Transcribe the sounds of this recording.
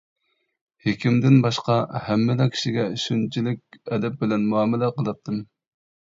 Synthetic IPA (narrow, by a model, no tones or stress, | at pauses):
hekʲimd̪ɪnbɑʃqɑhɛmːɪlɑkʲʰi̥ʃiɡʲɛʃynt͡ʃʰilɪkʲɛd̪ɛp̚bɪlɛnmuɑːmɪlɛqəlˠɨp̚t̪ʰɨm